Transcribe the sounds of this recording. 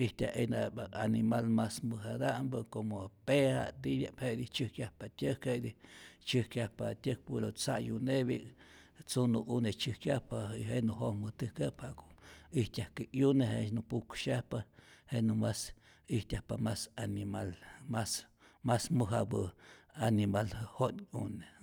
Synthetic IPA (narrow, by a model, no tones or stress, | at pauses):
iht̪ʲa̰ʔenaaanimalmasmɨɦad̪aʔmbɨkomopeha̰t̪ijʲaʔpheʔd̪it͡ʃɨhkjahpat̪ʲəkheʔd̪it͡ʃɨhkjahpat̪ʲək̚puɾot͡sajuneβḭ | t͡sunuʔunet͡ʃɨhkjapaiɦenuɦomɨt̪ɨkephaʔkoiht̪ʲahkejuneɦḛʃnupukʃahpahenumas | iht̪ʲahpamasanimalmas | masmɨɦabɨanimalhonune